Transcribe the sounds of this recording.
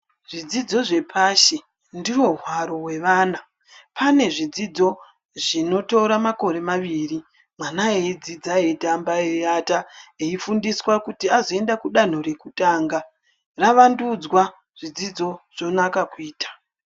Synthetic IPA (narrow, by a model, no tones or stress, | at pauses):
ʐid͡zid͡zo̞ʐe̞pʰaʃe | ndiwo̞ɦwaɾo̞we̞ʋaːna | pane̞ʐid͡zid͡zo̞ | ʐ̥ino̞to̞ɾamako̞ɾe̞maʋiri | mwanaeid͡zid͡zaedambaeataeifundiswakutiazoe̞ndakuɗan̤o̞re̞kutaːŋɡa | raʋandud͡zwa | ʐ̥id͡zid͡zo̞ʐ̥o̞nakakuiːtʰḁ